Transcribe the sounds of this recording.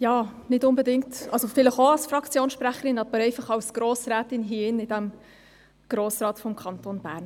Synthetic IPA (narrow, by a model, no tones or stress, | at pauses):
jɑːnɪtʊnbɛdɪŋktʔɑlsofɪləχoɑlsfɾɑkt͡sjoːnsʃpɾæχəɾɪnɑbəɾɛɪfɑχɑwsɡ̥ɾoːsɾæːtɪnɦiɪnɪdæm | ɡ̥ɾoːsrɑːtfɔmkʰɑntoːnbæ̰ːɾn